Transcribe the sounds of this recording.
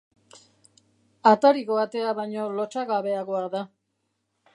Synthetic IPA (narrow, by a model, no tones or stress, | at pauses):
at̪aɾiɣoat̪e̞aβajɲo̞lo̞t͡ʃaɣaβe̞aɣoaða